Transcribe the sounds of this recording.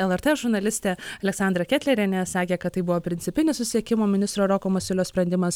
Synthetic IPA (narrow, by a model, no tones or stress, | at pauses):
ɛlˠɛɾt̪eʒʊɾnɐlʲɪsʲt̪ʲeːɐlʲɛksɑnd̪ɾɐkʲæːt̪lʲɛɾʲenʲɛsɑːkʲeːkɐt̪̚tɐɪbʊʋoːpʲɾʲɪnʲt͡s̪ʲɪpʲɪnʲɪsʊsʲiɛkʲɪmoːmʲɪnʲɪst̪ɾoːɾoːkoːmɐsʲɪlʲoːsʲpʲɾɐnʲd̪ʲɪmɐs